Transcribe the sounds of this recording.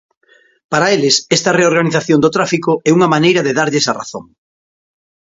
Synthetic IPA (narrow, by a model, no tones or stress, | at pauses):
paɾaelɪsɛst̪ɐreoɾɣaniθaθjond̪ot̪ɾafikʊʔɛuŋɐmanejɾɐðeðaɾʎesara̰θo̰ŋ